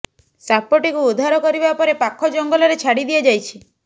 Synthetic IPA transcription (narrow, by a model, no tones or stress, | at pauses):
sapoʈikuud̪ʱaɾɔkɔɾibapɔɾepakʰːɔd͡ʒɔŋɡɔlɔɾet͡ʃʰaɽid̪iɔd͡ʒajt͡ʃʰi̥